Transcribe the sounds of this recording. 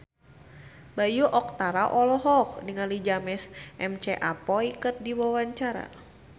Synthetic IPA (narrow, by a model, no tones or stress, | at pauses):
bajuʔɔk̚t̪aɾaʔɔlɔɦɔk̚niŋalid͡ʒamɛsʔɛmt͡ʃɛʔapɔikət̪̚diwawaɲt͡ʃaɾa̰